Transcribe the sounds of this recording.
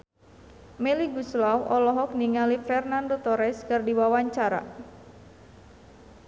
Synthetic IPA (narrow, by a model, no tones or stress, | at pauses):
mɛliɡuslawɔlɔɦɔk̚niŋalifɛrnandot̪ɔɾɛskɨrdiwawaɲt͡ʃaɾa̰